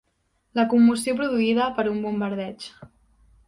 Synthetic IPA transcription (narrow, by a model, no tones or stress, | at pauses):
ləkumːusiop̬ɾuðuiðəpəɾumbumbəɾðɛt͡ʃ